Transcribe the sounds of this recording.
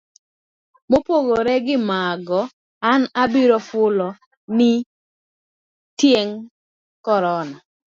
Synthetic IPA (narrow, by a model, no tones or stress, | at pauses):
mopoɡoɾɛɡɪmaɡɔ | anabiɾɔfʊlɔ | nɪ | tjeŋ | kɔɾɔna